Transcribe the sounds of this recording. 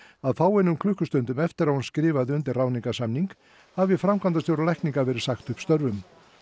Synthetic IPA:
aðfaːwɛjnːʏmkʰlʏhkʏst̪ʏnt̪ʏmɛft̪ɪɾawhunskɾɪːvaðʏnt̪ɪrraːwniŋkasamniŋk | havɪfɾamkʰant̪asjowɾalajkniŋkavɛːɾɪðsaxt̪ʏhpst̪œɾvʏm

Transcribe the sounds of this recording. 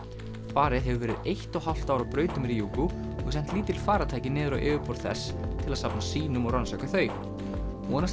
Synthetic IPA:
faːɾɪðɦɛvʏvɛːɾɪðejht̪ɔhal̥t̪aːwɾawpɾœːɥt̪ʏmɾiːjukʏ | ɔɣsɛn̥t̪liːt̪ɪɪlfaːɾat̪ʰaːjcɪnɛːðʏɾa̰wʔɛːvʏpɔɾ̥θɛ̰st̪ʰɪlaðsapnasiːnʏmɔɣɾansakaθœːɥ | ɔnas

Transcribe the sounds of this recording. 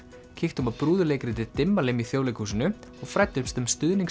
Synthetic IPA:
cʰɪxt̪ʏmaðpɾuːðʏleːjkɾɪt̪ɪt̪ɪmːalɪmiθjoːwlejkhusɪnʏɔɣfɾajt̪ːʏmst̪ʏmst̪ʏðniŋ

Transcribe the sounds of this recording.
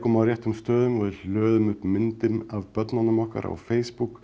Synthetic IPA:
kʰɔːmaɾjɛht̪ːʏmst̪œːðʏmɔɾɪlœːðʏmʏpmɪnt̪ɪmavpœt̪nanəmɔhka̰ɾʔa̰wfejspuk

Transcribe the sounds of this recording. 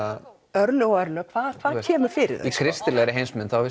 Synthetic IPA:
a | œɾnʏɔœɾnʏakʰvaːðkʰv̥aːðcʰɛːmʏɾ̥fɪɾɪ̰ða̰ikʰɾɪst̪ɪlɛɣɾɪɦejnsmɪnθawvɪ

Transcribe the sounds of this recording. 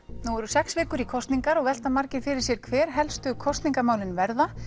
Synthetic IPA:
nuɛɾʏsɛksvɪːkʏɾikʰɔst̪niŋkaɾɔɣvɛl̥t̪amaɾcɪɾ̥fɪɾɪɾ̥sjɛɾ̥kʰvɛːɾ̥ɦɛlst̪ʏkʰɔst̪niŋkamaːwlɪnvɛɾða

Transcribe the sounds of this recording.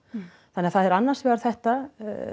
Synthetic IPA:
θaneːaθaðɛɾanːaɾ̥svɛːɣaɾ̥θɛht̪a̰

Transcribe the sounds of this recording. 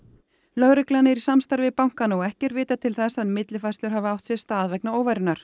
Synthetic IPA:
lœɣɾɪklaanɪɛɾisamst̪aɾvɪpawŋ̥kanaɔɣɛhcɛɾvɪːt̪at̪ʰɪlθɛsaðmɪt̪lɪfajst̪lʏɾ̥ɦavʏawht̪sjɛst̪aːðvɛknaoːwvajɾʏnaɾ̥

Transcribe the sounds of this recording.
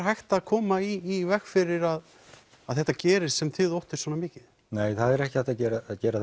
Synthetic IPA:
ɦajxt̪aðkʰɔːmaiːvɛxfɪɾɪɾað | aðθɛht̪ːacɛːɾɪssɛmθɪðowht̪ɪɾ̥sɔːnamɪːcɪð | neːjθaðɛɾɛhcɪ̥aht̪acɛːɾaːðcɛːɾa

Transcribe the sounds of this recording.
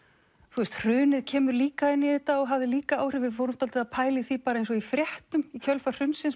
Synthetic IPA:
θust̪r̥ʏːnɪðcʰɛːmʏɾliːkaɪnːɪðɛht̪aɔɣɦavðɪliːkaaːwr̥ɪvɪfowɾʏmt̪alt̪ɪðaðpʰaːjlɪθipaːɾaejnsɔifɾjɛht̪ʏmicʰœlfḁr̥ʏnsɪns

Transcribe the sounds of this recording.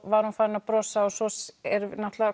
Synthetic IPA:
vaɾ̥hunfaːɾɪnapɾɔsaɔsɔsɛɾnaht̪lava

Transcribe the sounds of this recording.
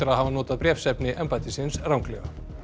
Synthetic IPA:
ʏɾaðhavanɔːt̪aðpɾjɛfsɛpnɪʔɛmpajt̪ɪsɪnsrawŋklɛ̰ɣa

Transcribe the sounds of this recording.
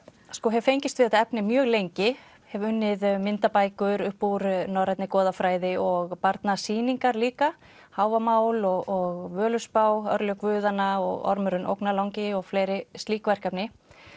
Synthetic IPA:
skɔɦɛvfejɲcɪst̪vɪθɛt̪aɛpnɪmjœːɣlejɲcɪ | hɛvʏnːɪðmɪnt̪apaːjkʏɾʏhpːuɾnɔwɾajt̪nɪkɔːðafɾaːjðɪɔɣpaɾt̪nasiːniŋkaɾliːka | haːwvamaːwlɔɣɔɣvœːlʏspaːwœɾlœkvʏːðanaɔ̰ɣɔ̰ɾmʏɾʏnʔo̰wknalawŋcɪɔɣfleːjɾɪst̪liːkvɛr̥kapnɪ

